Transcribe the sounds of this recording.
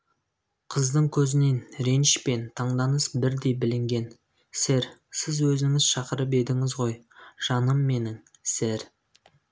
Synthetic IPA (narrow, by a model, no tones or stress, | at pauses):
qʰəzd̪əɴkʲʰɵzɪne̞nɾe̞nʃpe̞nt̪ʰɑɴd̪ɑnəsbɪɾd̪e̞jbɪlɪŋɡʲe̞n | seɾsɪzwɵzɪŋɪzʃɑqəɾəp̬e̞d̪ɪŋɪzʁo̞j | ʒ̥ɑnəmːe̞nɪŋ | seɾ